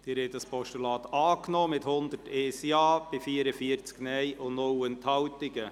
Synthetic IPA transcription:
d̥ɪːɾɛtɑspɔʃtulɑːt̪ɑːknɔːmɪthʊnd̪əteːsiɑːb̥ɪfiːɾəfiəɾt͡sknɛjʔʊnowənt̪hɑwt̪ɪɡə

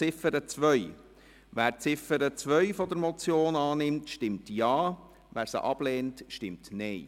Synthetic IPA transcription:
ɪfəɾət͡sʋœʏ | ʋæːɾt͡sɪfəɾət͡sʋœjfɔd̪əɾmɔt͡sjoːnɑːnɪmtʃtɪmtjɑː | ʋæːɾsə̰ʔɑb̥leːntʃtɪmtnɛɪ

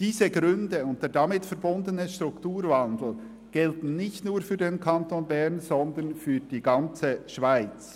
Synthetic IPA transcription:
d̥iːzəɡɾʏndəʊnt̚d̥eːɾdɑmɪtfɛɾbʊndənəʃtʁ̥ʊktuːɾvɑndl̩ | ɡ̥ɛltn̩nɪçtnuːɾfyːdenkʰɑntoːnbɛʁnz̥ɔndənfyːd̥iːɡɑnt͡səʃv̥aɪt͡s

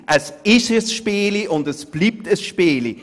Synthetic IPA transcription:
ʔəsɪʃəsʃpiːliʊndəsb̥liːp̚təsʃpiːli

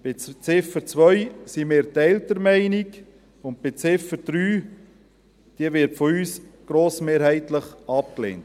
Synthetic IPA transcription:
b̥ɪt͡sɪfəɾt͡svʋœʏsimeːɾt̪ɛltəɾmæɪnik | ʊnt̚b̥et͡sɪfəd̥ɾyː | d̥iəvɪɾtfɔyːsɡ̥ɾoːsmeːɾhæɪtləχɑp̚klḛːnt

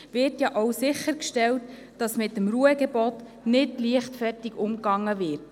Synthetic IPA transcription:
vɪːɾtjɑʔowsɪχəɾkʃtɛlt | d̥ɑsmɪtːəmɾuəɡɛbɔt | nɪdliəχtfɛɾtiɡʊmkɑŋːəvɪːɾt

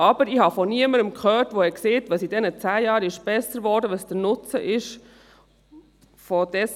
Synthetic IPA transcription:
ɑb̥əɾɪhɑfɔniəməɾəmkʰχœːtʋoɛkseːtʋɑsidɛnət͡sæːjɑːɾɪʃb̥ɛsːəɾʋɔːɾdəʋəsd̥ənʊt͡səʔɪʃ | fɔd̥ɛs

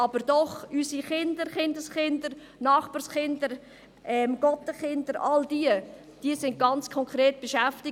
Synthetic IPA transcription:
ɑbəɾd̥ɔχysiχɪndəɾχɪndəsχɪndəɾ | nɑːχb̥ɑɾsχɪndəɾ | ɛmɡ̥ɔtəχɪndəɾɑ̰ldiə | d̥iəsɪnt̚ɡ̥ɑnt͡skʰɔŋkɾeːt̚b̥eʃæftɪ

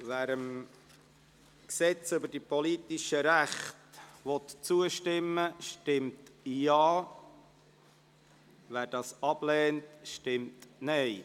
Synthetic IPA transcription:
ʋæːɾəm | ksɛt͡sʏbəd̥ipɔlit̪iʃəɾæχtʋɔt̪t͡suəʃtɪmːəʃtɪmtjɑː | ʋæːɾdɑːsɑb̥lɛːntʃtɪmtnɛɪ

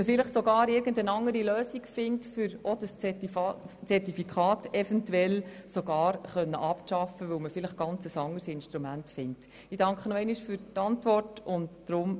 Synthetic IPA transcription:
məfɪləχsoɡɑːɾɪɾɡ̥əndənɑŋːəɾiløːsikfɪntfʏɾod̥əst͡sɛ | t͡sɛrtifikʰχɑːtɛfɛntuɛlsoɡɑːɾχœnːə̰ʔɑpʃɑfəʋɵwməfɪləχɡ̥ɑnt͡səsɑŋːəɾsɪnʃtɾumæntfɪnt | idɑŋkχənɔɛɪniʃfʏɾtɑntʋɔrtʊntː | ɾʊm

